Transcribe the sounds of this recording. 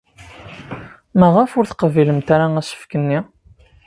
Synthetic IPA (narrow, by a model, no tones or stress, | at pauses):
mæʁəfʊɾθə̥qəviləmt̪aɾaæsə̥fkənːi